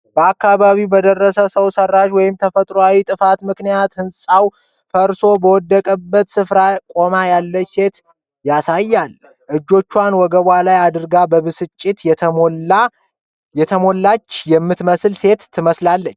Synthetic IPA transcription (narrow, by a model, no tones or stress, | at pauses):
bəakːaβaβibəd̪ərːəsəsəwsərːaʒwɔjɪmt̪ʰəfət̪ʼɾowawit̪ʼɨfat̪mɨknijat̪hɨnsʼaw | fəɾso̞bəwɔd̪ːəkʼəbːət̪sɨfɾakʼo̞majalːət͡ʃːse̞t̪ | jasajːal | ʔɨd͡ʒːo̞t͡ʃːwanwɔɡəβwalajad̪ɨɾɡabəβɨsɨt͡ʃʼːɪt̪ʰ | jɛt̪ʰəmolːat͡ʃːjɛmːɨt̪məslse̞t̪ʰːɨməslalːət͡ʃː